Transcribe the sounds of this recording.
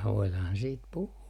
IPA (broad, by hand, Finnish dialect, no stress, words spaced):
ʋoilɑːhɑn siːt puhuː